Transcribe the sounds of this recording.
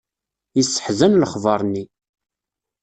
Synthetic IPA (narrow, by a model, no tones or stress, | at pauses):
jisːə̥ħzænləχvɑɾˤnːi